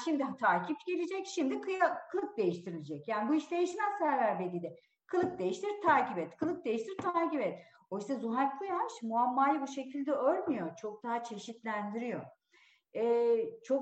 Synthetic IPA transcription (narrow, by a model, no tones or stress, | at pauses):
ʃimd̪it̪ʰaːcʰipɟe̞lʲed͡ʒɛcʃimd̪ikʰɯjakʰɯlˠɯk̚d̪e̞jiʃt̪ʰiɾilʲid͡ʒɛcjaːnibuiʃd̪e̞jiʃmɛzsæɾvæɾbed̪ʲid̪ɛ | kʰɯlˠɯk̚d̪e̞jiʃt̪ʰiɾt̪ʰaːcibɛt̪kʰɯlˠɯk̚d̪e̞jiʃt̪ʰiɾt̪ʰaːcibɛt̪̚ | ojsazuɦaɾkʰˠujaaʃmuamːaːjɯbuʃe̞cʰilʲd̪ɛølʲmyjo̞t͡ʃʰo̞k̚d̪aɦat͡ʃʰe̞ʃit̪lʲænd̪iɾijo̞̰ | ɛːt͡ʃʰo̞k